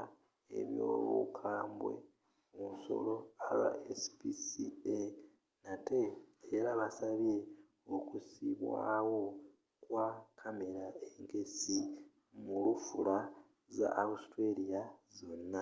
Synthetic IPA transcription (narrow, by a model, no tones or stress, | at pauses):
e̞̰βjo̰ːβṵkʰaːmbwe̞̰ | munso̞̰lo̞aβa̰esi̥pisie | nate̞ːɾaβasaβe̞ | okusiβwaːwo̞ | kwakʰame̞ɾaeŋɡe̞si | mulufula | za̰ʔːwustwe̞lijazo̞nːa